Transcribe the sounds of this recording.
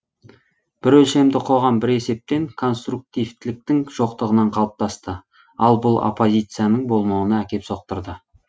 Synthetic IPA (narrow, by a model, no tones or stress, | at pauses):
b̥ɪɾɵlʃe̞md̪ɪqʰo̞ʁɑmbɪɾe̞se̞p̚t̪e̞ŋkʰo̞nst̪ɾuk̚t̪ijvt̪ɪlɪk̚t̪ɪŋʒ̥o̞qt̪əʁənɑɴqʰɑlˠəp̚t̪ɑst̪ə | ɑlˠbʊlˠo̰pːo̞zʲijt̪sɨjanəɴbo̞lˠmɑwənɑækʲe̞pso̞q̚t̪əɾd̪ə